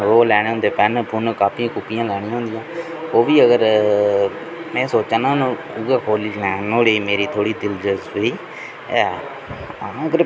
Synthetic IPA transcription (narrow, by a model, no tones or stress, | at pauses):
oːlɛːɽ̃eːɦõnd̪eːpɛːnpʊnkaːpʰiãːkʊpːɪjãːlɛːɽ̃ĩːɦõːnd̪ɪjãː | oːʋiːəɡəɾ | mɛ̃ːsoːt͡ʃãːnanː | uɡaːkʰoːliːlɛːnoːɽeːmeːɾiːt̪ʰoːɽiːd̪ɪld͡ʒəzoiː | ɛː | ãəɡəɾ